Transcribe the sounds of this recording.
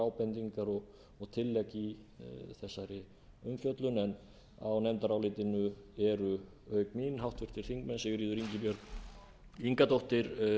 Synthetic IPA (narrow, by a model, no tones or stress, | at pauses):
awpɛnt̪iŋkaɾɔɣ | ɔɣt̪ʰɪlːɛciθɛsːaɾɪ | ʏmfjœt̪lʏnɛn | a̰wnɛmt̪aɾawlɪːt̪ɪnʏɛɾʏ | œːɥkmiːnɦawht̪vɪr̥t̪ɪɾ̥θiŋkmɛnsɛvɪɾiːðʏɾiɲcɪpjœɾk | iŋkat̪owht̪ɪɾ̥